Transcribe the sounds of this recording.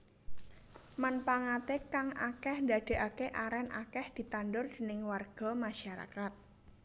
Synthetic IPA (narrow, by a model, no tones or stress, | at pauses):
manpaŋat̪ekaŋa̰kɛhndad̪̥e̤ʔakeʔaɾɛnʔa̰kɛhd̪̥i̤t̪anɖʊrd̪̥e̤nɪŋwarɡ̥ɔ̤maʃaɾa̰kat̪̚